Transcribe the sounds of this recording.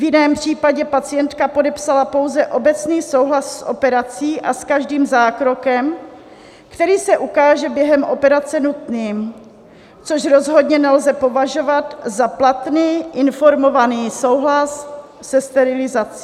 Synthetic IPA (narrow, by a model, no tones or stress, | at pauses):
vjɪnɛːmpr̝̥iːpaɟɛpat͡sɪjɛnt̪kapo̞dɛpsalapo̞wzɛʔo̞bɛt͡sniːso̞wɦlasːʔo̞̰pɛɾat͡siːʔaskaʒdiːmzaːkɾo̞kɛm | kt̪ɛɾiːsɛʔukaːʒɛbjɛɦɛmʔo̞pɛɾat͡sɛnut̪niːm | t͡so̞ʃɾo̞zɦo̞dɲɛnɛlzɛpo̞vaʒo̞vat̪zaplat̪niːʔɪnfo̞ɾmo̞vaniːso̞wɦlasː | ɛst̪ɛɾɪlɪzat͡si̥